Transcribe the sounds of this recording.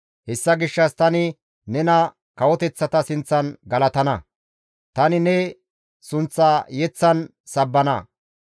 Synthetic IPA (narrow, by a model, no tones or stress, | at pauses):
hɛsːɐɡɪʃːɐst̪ɐnɪ | nɛnɐ | kɐwɔt̪ɛt͡sːɐt̪ɐsɪnt͡sːɐnɡɐlɐt̪ɐnɐ | t̪ɐnɪnɛ | sʊnt͡sːaːjɛt͡sːɐn | sɐbːɐnɐ̰